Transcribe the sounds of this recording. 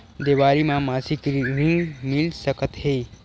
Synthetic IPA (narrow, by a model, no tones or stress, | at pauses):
d̪eʋaːɾimãmaːsikɾĩŋɡmilsəkət̪ɦe